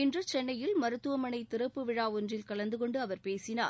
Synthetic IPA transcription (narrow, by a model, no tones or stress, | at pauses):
ɪndrɐt͡ʃɛnːɐjɪlmɐɾɯt̪ːɯʋɐmɐnɐɪt̪ːɪɾɐpːɯʋɪɻaːɔndrɪlkɐɭɐnd̪ɯkɔɳɖɯɐʋɐɾpeːsɪnaː